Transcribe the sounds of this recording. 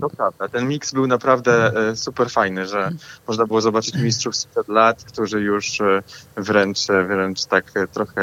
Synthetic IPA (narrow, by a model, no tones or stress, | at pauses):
d̪̥ɔpɾavd̪at̪ɛnmʲiksbɘwnapɾavd̪ɛsupɛɾfajnɘʐɛmɔʐnabɘwɔzɔbat͡ʂɘt͡ɕmʲistʂufspʂɛd̪lat̪kt̪uʐɘjuʂ | vɾɛnt͡ʂvɾɛnt͡ʂt̪akt̪ɾɔxɛ